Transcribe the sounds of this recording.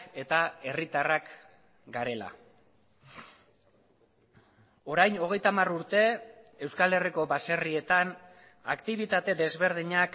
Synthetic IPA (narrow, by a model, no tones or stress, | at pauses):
e̞t̪ae̞rit̪arak | ɡaɾe̞la̰ | o̞ɾajno̞ɣ̞e̞jt̪amaruɾt̪e̞ewskale̞riko̞βase̞rie̞t̪an | akt̪iβ̞it̪at̪e̞d̪e̞zβe̞ɾð̞iɲak